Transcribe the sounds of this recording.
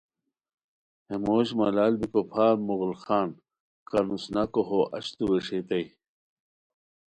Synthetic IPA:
emoːɕmɐlaːlbikopʰaːmuɣlxaːn | kɐnusnakoɦoʔɐ̰ɕt̪uweʂet̪ɐj

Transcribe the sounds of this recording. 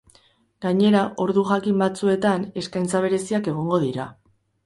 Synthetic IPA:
ɡaɲe̞ɾaʔo̞ɾðuʝakimbat͡sue̞t̪ane̞skajnt͡saβ̞e̞ɾe̞siake̞ɣ̞o̞ŋɡo̞ðiɾa

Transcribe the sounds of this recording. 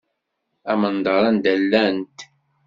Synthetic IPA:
æmənd̪ɑɾˤænd̪ælːænt̪

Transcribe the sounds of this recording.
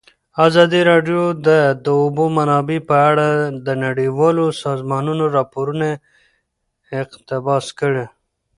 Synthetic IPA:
azɑd̪iɾɑɖjod̪əd̪əʊbomanɑbepəaɽad̪ənaɽiwɑlosɑzmɑnunoɾɑpoɾune | qt̪ɪbɑskəɽe

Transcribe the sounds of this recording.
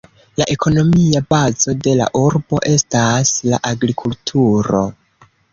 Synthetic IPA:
laʔe̞kʰo̞no̞miabazo̞de̞la̰ʔuɾbo̞ʔe̞stasla̰ʔaɡɾikʰultʰuɾo̞̰

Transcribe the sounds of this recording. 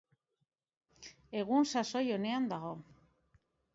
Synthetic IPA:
e̞ɣ̞unsaso̞jo̞ne̞and̪aɣ̞o̞

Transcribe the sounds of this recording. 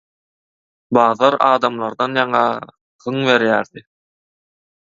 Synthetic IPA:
bɑːðɑɾɑːd̪ɑmlˠɑɾd̪ɑnjɑɴɑ | ʁɯŋβe̞ɾjæːɾd̪i

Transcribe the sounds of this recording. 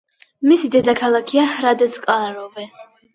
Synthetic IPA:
misid̪ɛd̪akʰalˠakʰiahɾad̪ɛt̪sʼkʼaɾɔvɛ

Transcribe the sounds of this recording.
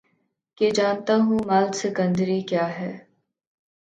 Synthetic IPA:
ked͡ʒaːnt̪aːɦũːmaːlsɪkə̃nd̪ɾikjaːɦɛː

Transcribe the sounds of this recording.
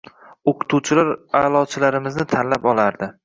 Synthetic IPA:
oqʰɨ̥t̪ʰuwt͡ʃʰɪlaɾalˠɒt͡ʃʰɪlaɾɪmɪznɪt̪ʰanlapɒlˠaɾd̪ɪ

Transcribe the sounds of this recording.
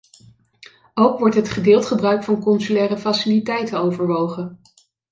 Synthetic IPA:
owkʋɔɹtɦətχədɪːlˠtχəbrœɥkfɑnkɔnsylɛːrəfɑsilitɛjtəowvəɹʋowχən

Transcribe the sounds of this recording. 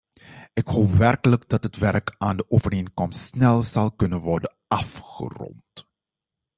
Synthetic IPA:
ʔɪkɦoːpʋɛrkələɡdɑtɦətʋɛrkaːndəʔoːvəreːnkɔmstsnɛlˠzɑlˠkɵnənʋɔrdənɑfχə̰rɔ̰nt

